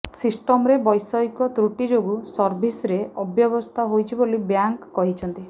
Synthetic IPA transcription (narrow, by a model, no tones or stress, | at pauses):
sisʈɔmɔɾebɔjsɔjkɔt̪ɾuʈid͡ʒoɡusɔɾbʱisɾeɔbjɔbɔst̪ʰaɦojt͡ʃʰibolibjaŋkːɔɦit͡ʃʰɔnt̪i